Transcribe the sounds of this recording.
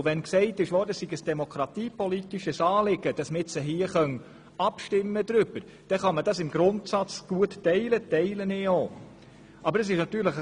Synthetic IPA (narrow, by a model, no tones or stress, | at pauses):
ʋɛnksɛɪtɪʃʋɔːdəsiɡəsd̥ɛmokʰɾɑtiːpɔlitiʃəsɑːlɪɡəd̥ɑsməɪt͡səɦiːəχœn | ɑpʃtɪmːəd̪ɾʏb̥əɾ | d̥ɛχɑmədɑsɪmɡɾʊntsɑt͡sɡ̥uəttɛɪlətɛɪlənɪoː | ʔɑbəɾəsɪʃnɑt̪yːɾləχ